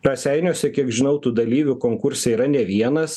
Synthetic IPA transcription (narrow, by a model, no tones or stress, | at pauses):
ɾɐsʲɛɪnʲoːsʲɛkʲiɛkʒʲɪnɐʊt̪uːd̪ɐlʲiːʋʲʊkoːŋkʊɾʲsʲɛiːɾɐnʲɛʋʲiɛnɐs